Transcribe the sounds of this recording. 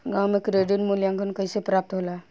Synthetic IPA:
ɡãːwmẽkɾeɖɪnmuljãːŋkʰənkəisepɾaːp̚t̪ɦoːla

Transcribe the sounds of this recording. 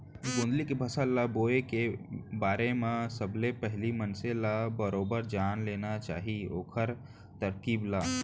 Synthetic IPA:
ɡõːnd̪likebʱəsəlːaboːekebaːɾemẽsəblepɛɦlimənsẽlabəɾoːbəɾd͡ʒaːnleːnat͡ʃa̰ːɦio̰ːkʰəɾ | t̪əɾkiːblaː

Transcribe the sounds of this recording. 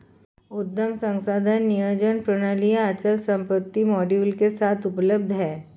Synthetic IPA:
ʊd̪ːəmsə̃ŋsaːd̪ʱənːijəd͡ʒənpɾəɽ̃aːlijaɐt͡ʃəlsə̃mpət̪ːimɔːɖiʋlkesaːt̪ʰʊpləb̚d̪ʱɦɛː

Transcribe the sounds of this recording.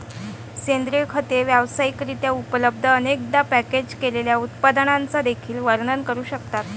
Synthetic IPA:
send̪ɾikʰət̪eʋjaʋsaikɾit̪jaupələb̚d̪ʱəːnek̚d̪apæked͡ʑkeleljaut̪pad̪əɳant͡sad̪ekʰiːlʋəɾɳənkəɾuːɕəkt̪at̪

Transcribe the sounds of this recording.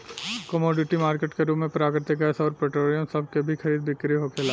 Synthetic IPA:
kɐmoːɖɪʈimaːɾkeːʈkeɾuːpmẽpɾaːkɾɪt̪ɪk̬ɐsɔːɾpɾeʈɾoːɾijə̃msɐb̚ʱkebʱixʰɐɾiːd̪bɪkɾiɦoːkʰelaː

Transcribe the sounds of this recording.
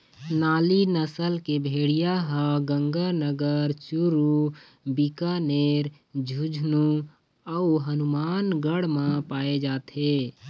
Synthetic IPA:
naːlinəsəlkebʱeːɽijaɦə̃ɡə̃ŋɡanəɡəɾt͡ʃuɾu | bikaneːɾ | d͡ʒʱud͡ʒʱnu | əuɦənumaːnɡəɽmãpaːed͡ʒaːt̪ɦeː

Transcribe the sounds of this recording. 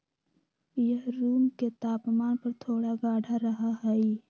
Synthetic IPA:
jəɦɾuːmket̪aːpmaːnpəɾt̪ʰoːɽaɡaːɽʱaɾəɦaɦɛːi

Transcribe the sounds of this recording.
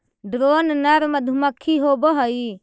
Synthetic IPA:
ɖɾoːnnɐɾmɐd̪ʱumakʰːiɦobɔɦɔi

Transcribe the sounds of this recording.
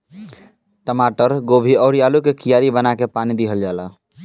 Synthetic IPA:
ʈəmaʈəɾɡobʱiɔːɾijalukekijaɾibənakepanid̪iɦəld͡ʒala

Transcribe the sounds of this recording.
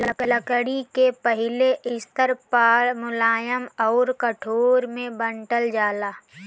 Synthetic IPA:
ləkləkəɽikepəɦɪleʔɪst̪əɾpaːmʊlaːjəmɔːɾkəʈʰoːɾmẽbə̃ɳʈəld͡ʒaːlaː

